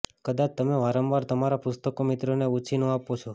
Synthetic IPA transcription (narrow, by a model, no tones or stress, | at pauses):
kəd̪at͡ʃt̪əmeʋaɾəmʋaɾt̪əmaɾapʊst̪əkomit̪ɾoneut͡ʃʰinũapot͡ʃʰo